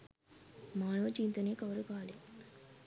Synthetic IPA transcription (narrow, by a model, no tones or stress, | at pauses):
maːnoːt͡ʃiːnt̪uneːkɐʋɐɾukaːli